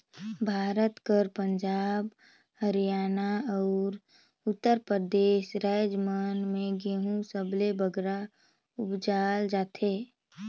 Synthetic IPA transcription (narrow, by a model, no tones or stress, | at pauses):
bʱaːɾət̪kəɾpə̃ɲd͡ʒaːb | həɾijaːnaɔːɾ | ʊt̪ːəɾpɾəd̪eːʃɾad͡ʒmanmẽɡeːɦũsəblebəɡɾa | ʊpd͡ʒaːld͡ʒaːt̪ʰe